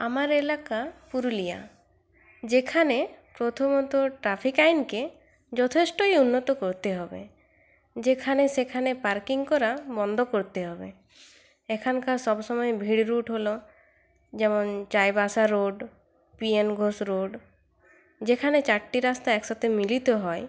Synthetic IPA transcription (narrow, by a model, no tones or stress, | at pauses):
amaɾelakapuɾulija̰ | d͡ʒekʰanepɾot̪ʰomɔt̪ɔʈɾapʰikajnke | d͡ʒɔt̪ʰesʈoiunːɔt̪ɔkɔɾt̪eɦɔbḛ | d͡ʑekʰanesekʰanepaɾkiŋkɔɾabɔnd̪ʱɔkoɾt̪eɦɔbḛ | ekʰankaɾsɔbsɔmɔebʱiɽɾuʈɦolo | d͡ʒemɔnt͡ʃajbasaɾoɖ | pienɡʱosɾoɖ | d͡ʒekʰanet͡ʃaʈːiɾast̪aɛksɔt̪ʰemilit̪oɦɔe